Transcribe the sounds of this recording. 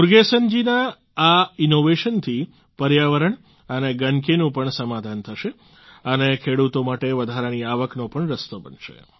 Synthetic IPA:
uɾɡesənd͡ʒinaː | inoʋeʃənt̪ʰi | pəɾjaʋəɾəɳ | əneɡənkenũpəɳsəmad̪ʱant̪ʰəʃe | ənekʰeɽut̪omaʈeʋəd̪ʱaɾaniaʋəknopəɳɾəst̪obə̰nʃḛ

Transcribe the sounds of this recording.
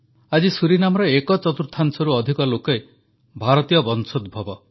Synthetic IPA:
ad͡ʒisuɾinamɔɾɔekɔt͡ʃɔt̪uɾt̪ʰːansɔɾuɔd̪ʱikɔlokɔe | bʱaɾɔt̪ijɔbɔnsʰod̪̚bʱɔbɔ

